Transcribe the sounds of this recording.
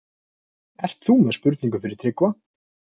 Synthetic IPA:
ɛr̥t̪θumɛðspʏɾt̪niŋk̬ʏfɪɾɪɾ̥t̪ʰɾɪkva

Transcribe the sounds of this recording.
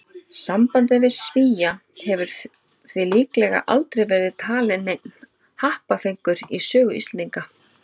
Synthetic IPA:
sampant̪ɪvɪðsviːja | hɛvʏɾ̥ | θvɪliːklɛɣa̰ʔa̰lt̪ɾejvɛɾðɪðt̪ʰaːlɪnek̚n̥ | hahpafejŋkʏɾisœːɣʏist̪lniŋka

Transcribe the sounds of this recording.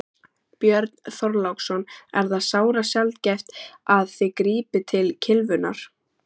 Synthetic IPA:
pjœɾt̪nθɔɾlawksɔnɛɾθaðsaːwɾasjalt̪cɛft̪aðθɪkɾiːpɪt̪ʰɪlcʰɪlvʏna̰ɾ̥

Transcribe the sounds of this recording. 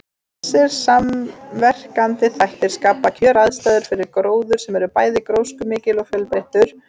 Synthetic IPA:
ɛsːɛɾ̥samvɛr̥kant̪ɪθajht̪ɪɾ̥skaːpacʰœːɾaðst̪aːðʏɾ̥fɪɾɪɾkɾoːwðʏɾ̥sɛmɛɾʏpaːjðɪkɾoːwskʏmɪːcɪlɔfjœlpejht̪ʏɾ̥

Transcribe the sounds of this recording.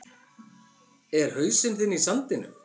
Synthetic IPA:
ɛɾ̥hœːɥsɪnθɪnːisant̪ɪnʏ̰m

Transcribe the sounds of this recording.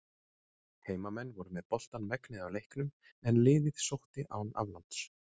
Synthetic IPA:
heːjmamɛnːvɔɾʏmɛðpɔl̥t̪anmɛknɪðawlejhknʏm | ɛnlɪːðɪð̥sowht̪ɪʔa̰wna̰vlant̪s

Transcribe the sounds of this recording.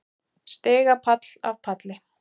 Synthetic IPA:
st̪eːɣapʰat̪l̥a̰ðpʰat̪lɪ

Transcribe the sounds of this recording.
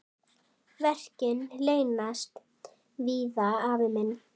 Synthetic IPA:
vɛr̥cɪnleːjnast̪ | viːðaaːvɪmɪn

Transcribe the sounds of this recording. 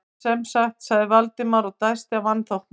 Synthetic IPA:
sɛmsaxt̪saɣðɪvalt̪ɪmaɾɔɣt̪ajst̪ɪavanθowhk

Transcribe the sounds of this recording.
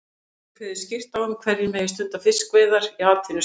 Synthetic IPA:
kʰvɛɾðɪscɪr̥t̪awʏmkʰvɛɾjɪmɛːjɪst̪ʏnt̪afɪskvɛːðaɾiaːt̪ʰɪnʏ

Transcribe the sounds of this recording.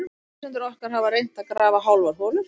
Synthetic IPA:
sɛnt̪ɪɾɔhkaɾ̥ɦavaɾejn̥t̪akɾaːvaɦawlvaɾ̥foːlʏɾ̥

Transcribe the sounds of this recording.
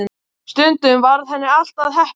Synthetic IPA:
ɪ | st̪ʏnt̪ʏmvaɾðhɛnːɪal̥t̪aðɦɛh

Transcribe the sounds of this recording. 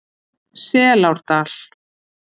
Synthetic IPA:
sɛːlawɾ̥t̪al̥

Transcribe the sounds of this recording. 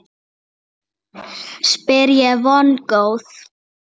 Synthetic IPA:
spɪɾjɛvɔnkowð̥

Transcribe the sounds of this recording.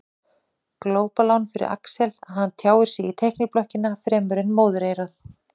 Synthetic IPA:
kloːwpalawnfɪɾɪ̰ɾʔa̰ksɛlaðhanːt̪ʰjaːwɪɾ̥sjɛɣit̪ʰehknɪplɔhcɪnafɾɛːmʏɾɪnmoːwðɾeːjɾaθ

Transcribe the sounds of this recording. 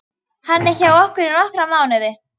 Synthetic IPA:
hanːɛçaɣɔhkʏɾɪnɔhkɾamaːwnɪðɪ

